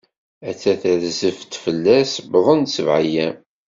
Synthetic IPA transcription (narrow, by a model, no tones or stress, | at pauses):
æt͡sːæθæðzəft̪fəlːæsbðˤənsəvʕajæm